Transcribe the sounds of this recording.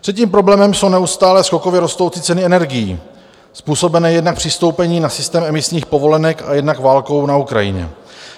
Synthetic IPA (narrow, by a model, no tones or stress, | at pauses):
pr̥ɛciːmpɾoblɛːmɛmso̞wnɛust̪aːlɛsko̞ko̞vjɛɾo̞st̪o̞wt͡sɪt͡sɛnɪɛnɛɾɡɪjḭː | spuːso̞bɛnɛːjɛdnak̚pr̥ɪst̪o̞wpɛɲiːnasɪst̪ɛːmɛmɪsɲiːxpo̞vo̞lɛnɛka̰jɛdnakvaːlko̞wnaukɾa̰jɪ̰ɲɛ̰